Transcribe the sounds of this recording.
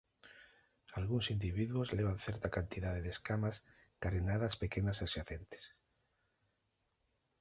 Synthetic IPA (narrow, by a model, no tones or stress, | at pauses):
alɣunsind̪iβiðwozleβ̞anθeɾt̪akant̪iðaðeðeskamas | kaɾinaðaspekenasasjaθent̪e̥s